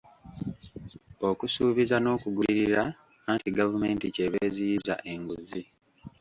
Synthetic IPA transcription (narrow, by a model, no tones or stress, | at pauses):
o̞kusuːβizano̞ːkuɡuliɾiɾaː | ntiɡavume̞ːntice̞βeːzijiza̰ʔe̞ŋɡuzi